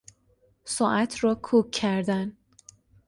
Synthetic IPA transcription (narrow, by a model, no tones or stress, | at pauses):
sɒːʔæt̪ʰrɒːkʰuːkʰːæɾd̪æn